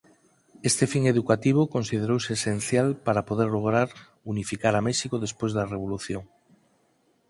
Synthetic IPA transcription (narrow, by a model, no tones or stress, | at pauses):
est̪efiŋeðukat̪iβ̞okonsið̞eɾowseːsen̟θjalpaɾapoð̞eɾloɣɾaɾ | unifikaɾameʃikoðespojzðareβ̞oluθjoŋ